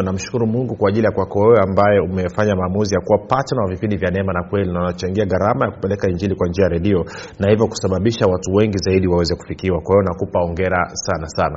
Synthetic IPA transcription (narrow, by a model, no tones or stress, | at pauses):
nam̩ʃu̥kuɾumuŋɡukwaːʄilijakwakɔwɛwɛambajɛumɛfaɲamaːmuzijakuwapatanawavipindivjanɛmanakwɛlinanat͡ʃaŋɡiaɡaɾamajaku̥pɛlɛkaiɲd͡ʒilikwand͡ʒiajaɾɛɗiɔnahivjɔku̥saɓaɓiʃawatuwɛŋɡizaiɗiwawɛzɛku̥fikiwakwahiɔnakupaɔŋɡɛɾasanasana